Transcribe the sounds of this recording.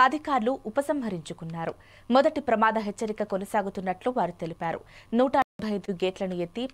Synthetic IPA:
ɐd̪ʱikaːɾluʔːpɐsɐmɦɐɾiɲt͡ʃukunːaːɾu | mɔd̪ɐʈipɾɐmaːd̪ɐɦet͡ʃːɐɾikɐkonɐsaːɡut̪unːɐʈluʋaːɾut̪e̞lipaːɾṵnuːʈɐebʱɐjɐjd̪uɡeːʈlɐnue̞t̪ːi

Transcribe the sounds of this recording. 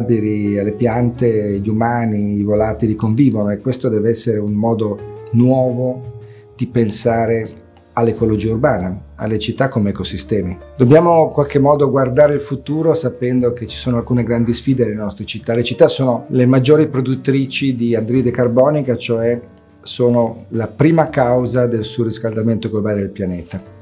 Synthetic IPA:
biɾialːepjant̪eʎumaːniivolaːt̪ilikoɱviːvonoekːwest̪od̪ɛːveɛsːeɾeunmɔːd̪onwɔːvo | d̪̥ipensaːɾe | alːekolod͡ʒiːaurbaːnaa̰lːet͡ʃit̪ːakːomeɛkosist̪ɛːmid̪̥objaːmoiŋkwalk̟emːɔːd̪oɡward̪aːɾeilfut̪uːɾosapɛnd̪oket͡ʃːi̥soːnoalkuːneɡɾand̪isfiːd̪ed̪lenɔst̪ɾet͡ʃit̪ːalet͡ʃit̪ːasoːnolemad͡ʒːoːɾipɾod̪ut̪ːɾiːt͡ʃid̪iand̪ɾid̪ekarbɔːnikat͡ʃoɛ | soːnolapɾiːmakawzad̪elsuoɾiskald̪ament̪oɡlobaːled̪elpjaneːt̪a

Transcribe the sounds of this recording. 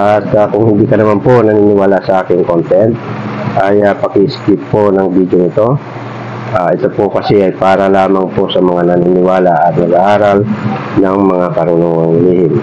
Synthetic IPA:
ʔat̪akʊŋhɪnd̪iːkɐnɐmanpo̞nɐniːnɪwaːlasɐʔaːkɪŋkont̪ɛnt̪̚ʔajapɐkiʔɪskɪpːo̞nɐŋbid̪jonɪt̪o̞ | ʔaʔɪt̪o̞pokɐsɛʔɐjpaːɾɐlaːmaŋpo̞sɐmɐŋanɐninɪwaːlaʔɐt̪̚nɐɡʔaːɾalnɐŋmɐŋakɐɾʊnoŋɐŋlɪlihɪm

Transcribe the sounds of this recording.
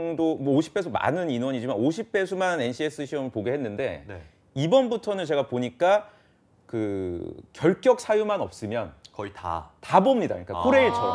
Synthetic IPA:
ŋdomʌoɕʰi̥p͈ʰe̞sʰoma̰nɯninwʌɲid͡ʑimanoɕʰip͈ʰe̞sʰumane̞nɕʰies͈ɯɕʰiʌmɯɭpoɡeɦe̞nːɯnde̞̰n | ibʌnbutʰʌnɯt͡ɕe̞ɡapoɲik͈a | kɯkjʌɭk͈jʌk̚s͈ʰajumanʌp̚s͈ɯmjʌnkʌita̰tabomɲida̰ɲik͈akʰoɾeiɭt͡ɕʰʌ

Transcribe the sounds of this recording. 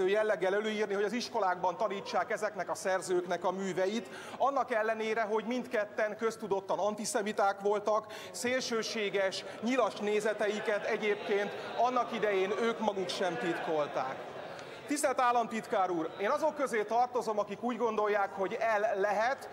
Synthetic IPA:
øːjɛlːɛɡːɛlɛløːiːrniɦo̞ɟɒziʃko̞laːɡ̚bɒnt̪ɒniːt͡ʃːaːkɛzɛknɛkɒsɛrzøːknɛkɒmyːvɛjit̪ | ɒnːɒkɛlːɛneːɾɛɦo̞ɟmint̪kɛt̪ːɛŋkø̞st̪ud̪o̞t̪ːɒnɒnt̪isɛmit̪aːkʋo̞lt̪ɒk | seːlʃøːʃeːɡɛʃ | ɲilɒʃneːzɛt̪ɛjikɛt̪ɛɟeːp̚keːnt̪ɒnːɒkid̪ɛjeːnøːkmɒɡukʃɛmt̪it̪ko̞lt̪a̰ːk | t̪ist̪ɛlt̪aːlːɒmt̪it̪kaːɾuːreːnɒzo̞kːøzeːt̪ɒrt̪o̞zo̞mɒkikuːɟɡo̞nd̪o̞jːaːkho̞ɟɛlːɛɦɛt̪

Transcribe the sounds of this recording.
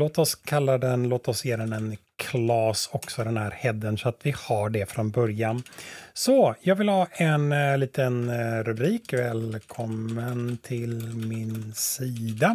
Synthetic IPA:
loːt̪ɔskʰalːad̪ɛnloːt̪aɔsjeːd̪ɛnɛnkʰlɑːsɔksɔd̪ɛnhæːɾhɛd̪ːənsɔat̪vɪhaɖɛfɾɔnbœɾjansɔjɑːɡvɪlhɑːɛnliːt̪ənɾiːkvɛːlkʰɔmːənt̪ʰɪlmɪnsiːd̪a

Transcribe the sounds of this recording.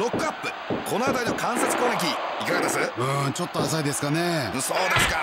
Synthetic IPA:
ɾo̞kːɯ̟apːɯ̟ | kʰo̞noad̪aino̞kãɰ̃set͡sɨ̥ko̞ːɾek̬ʲiikaɡad̪esɨɯ̃ːt͡ɕo̞t̪ːoasaid̪e̞sɨ̥kanẽso̞ːd̪e̞sɨ̥ka

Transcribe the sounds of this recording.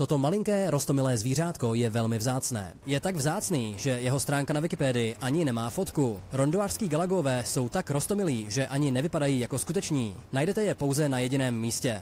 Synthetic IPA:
t̪o̞t̪o̞malɪŋkɛːɾost̪o̞mɪlɛːzviːr̝aːt̪ko̞jɛvɛlmɪvzaːt͡snɛ̰ːjɛt̪aɡvzaːt͡sniːʒɛjɛɦo̞st̪ɾaːŋkanavɪkɪpɛːdɪɪʔaɲɪnɛmaːfo̞t̪kuɾo̞ndoaːr̥skiːɡalaɡoovɛːso̞wt̪akɾo̞st̪o̞mɪliːʒɛʔaɲɪnɛvɪpadajiːjako̞skut̪ɛt͡ʃɲiːnajdɛt̪ɛjɛpo̞wzɛnajɛɟɪnɛːmːiːscɛ

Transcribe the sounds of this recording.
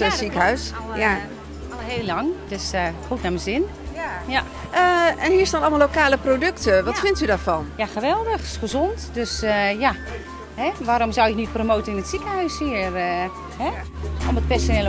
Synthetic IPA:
sikəɦœɥs | ɦeːlːɑŋd̥øsxutnaməzɪn | ja | əɛnhiːɹstaːnɑlˠmalːowkaːləprodøktəʋɑtfɪntydaːɹfɑnjaxəʋɛlˠdəxχəzɔntdøsja | hɛʋaɾɔmzɔwjɪknit̚promoːtənɪnətsikəɦœɥshiər | hɛɔmət̚pɛsonɛl

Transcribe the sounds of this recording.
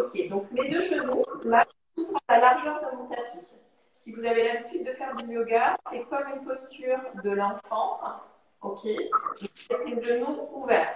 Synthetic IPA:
ɔkʲed̪ɔ̃kmed̪øʒənomaʃ | t̪ũtalaʁʒœʁd̪ɔmɑ̃t̪at̪if | sivuzavelabit̪yd̪̚ːəfɛʁd̪yljoɡasɛkɔmynpɔst̪yʁd̪əlɑ̃fɑ̃ | ɔkʲʰeʒɔsɛt̪ynʒənuuvɛːʁt̪

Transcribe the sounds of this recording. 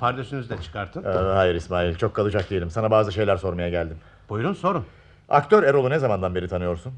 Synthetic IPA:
pʰaɾd̪eʃynyzd̪ɛt͡ʃʰɯ̥kʰaɾt̪ʰɯnːɦajiɾismaːjilʲt͡ʃʰo̞kʰːalˠɯd͡ʒak̚d̪ijelʲimsanabaːzɯʃe̞jlʲæɾso̞ɾmajaɟælʲd̪im | b̥ujuɾumso̞ɾum | a̰kt̪ʰø̞ɾeɾo̞lˠunezamand̪anbe̞ɾit̪ʰanɯjo̞ɾsun

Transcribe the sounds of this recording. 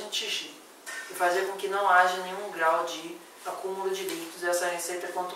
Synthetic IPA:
ĩt͡ʃiʒi | ɪfaziɐkõkɪnɐ̃w̃aʒɐnẽj̃ũɡɾawd͡ʒɪ | akũmulʊd͡ʒɪlit̪ʊzɪɛsɐhesejt̪ɐkõt̪

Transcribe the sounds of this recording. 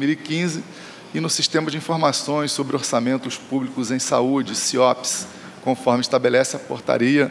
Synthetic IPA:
miwikĩzɪ | ɪnʊsiʃt̪ẽmɐd͡ʒɪĩfoɾmasõj̃ssobɾɪoɾsamẽnt̪ʊspublikʊzẽj̃saud͡ʒɪsiɔps | kõfɔɾmɪiʃt̪abelɛsɪɐpo̰ɾt̪a̰ɾiɐ

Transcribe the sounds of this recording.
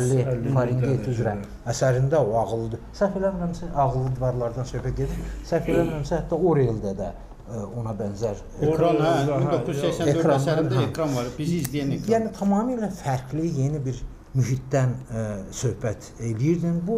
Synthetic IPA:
lːifʰɑɾiŋɡet̪ʰyzɾæm | æsæɾind̪æoɑɣlˠɯd̪ɯsæfelæmnæmsæʔɑɣlˠɯd̪ivɑɾlˠɑɾd̪ɑnsø̞hpæt̪̚ɟed̪iɾsæfelæmæmsihæt̪ːɑoɾeld̪æd̪æ | o̞nɑbænzæɾ | sekɾɑnɑɾd̪ | jæːnit̪ʰɑmɑːmilæfæɾklije̞nibiɾ | myɦit̪d̪ænsø̞hbæt̪ʰ | elijiɾd̪inbu

